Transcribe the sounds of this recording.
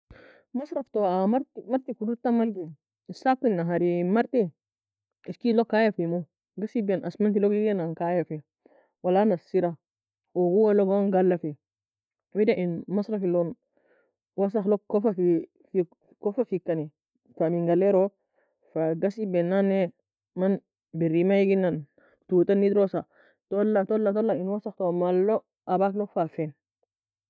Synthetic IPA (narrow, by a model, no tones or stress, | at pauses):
masɾaftoamaɾtimaɾt̪ikuduɾtamalɡi | sakːilnaɦaɾimaɾti | iskilokːajafimo | ɡasibenʔasmantilokiɡenaŋkajafi | walanasiɾa | oɡuwaloɡaŋɡalːafi | widaʔinmasɾafilon | was̬axlokkːofafi | f | kofafikːani | tamiŋɡaleɾo | faɡasibɛnːane | man | biɾimajiɡinan | tutanːid̪ɾosa | tolːatolːatolainwasaxtomalːo | ʔabaklokfafɛn